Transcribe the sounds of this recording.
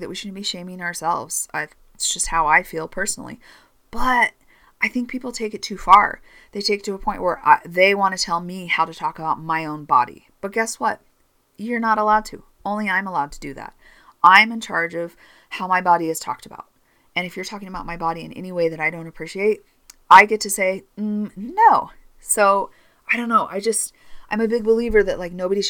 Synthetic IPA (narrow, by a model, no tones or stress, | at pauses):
ðɨʔ̚wiʃʊdⁿn̩biʃẽɪ̃mɪ̃ŋəə˞sɛ̰lˠvz̥ʌ | d̥ʒ̥ʌst̚haʊaɪfilˠpʰɜ˞sn̩l̩ˠḭ | b̥ʌɾ | ʔaɪθɪ̃ŋk̚pʰipl̩ˠtʰeɪkɨtʰʉfɑ̰ɹ | ðeɪtʰeɪk̚tʰɨəpʰɔ̃ɪ̃nʔwə˞ʔa̰ðeɪwɑ̃nɨtʰɛlˠmihaʊɾɨtʰɔkəbaʊt̚maɪõʊ̃nbɑ̰ɾḭb̥ʌt̚ɡ̥ɛswʌt̚ | jə˞nəɾəlaʊd̚tʰɨ̰ | õʊ̃nliãɪ̃məlaʊd̚tʰɨdɨðæ̰t̚ | ãɪ̃mɨ̃nt͡ʃʰɑ̰ɹd͡ʒʌv̥ | haʊmaɪbɑɾiɨz̥tʰɔ̰k̚təba̰ʊt̚ | ɨ̃ñɨfjə˞tʰɔkɪ̃ŋɨəbaʊt̚maɪbɑɾiɨ̰̃nɛ̰niweɪðɨɾaɪɾõʊ̃ntɨpʰɹ̥iʃieɪt̚ | aɪɡɛtʰɨseɪm̩noʊ | soʊ | aɪɾõʊ̃nːoʊʔa̰ɪd͡ʒʌst | ʔãɪ̃mɨbɪɡ̚bəlivə˞ðɨʔlaɪk̚noʊbɨɾiʃ